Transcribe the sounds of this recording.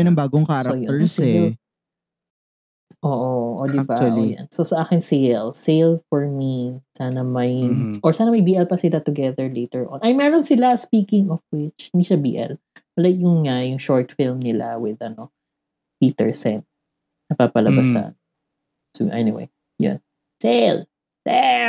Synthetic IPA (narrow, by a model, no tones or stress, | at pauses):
nɐŋbaːɡoŋkaɾɐjoəs | ʔoːʔoʔod̪ɪbaɐja̰nsosɐʔaːkɪŋsejlsejlfɔɹmisaːnɐmɐjʔɔɹsaːnɐmɐjbiːʔɛlpɐsɪlat̪ʊɡɛðɛɹlejt̪ɛɹʔɔ̃nʔɐjmɛɾonsɪlaspiːkɪ̃ŋɔfwɪt͡ʃɪnd̪iʃɐbḭːʔɛ̰l | lakjʊŋŋajʊŋʃɔɹt̪fɪlmnɪla̰wɪðɐno | piːt̪ɛ̰ɹsɛn | nɐpapɐlɐbasa̰n | sṵʔɛ̰niwḛj | jʊ̰n | sel | sɛ